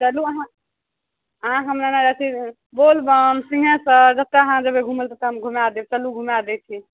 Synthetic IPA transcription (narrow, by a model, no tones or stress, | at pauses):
t͡ʃəluəɦã | əɦãɦəmnenaɾat͡ʃʰi | bolbəmsĩɦə̃səd͡ʒəb̚t̪eəɦãd͡ʒəbeɡʱuməlt̪ət̪əɦəmɡʱumad̪ebet͡ʃəluɡʱumad̪ɛt͡ʃʰi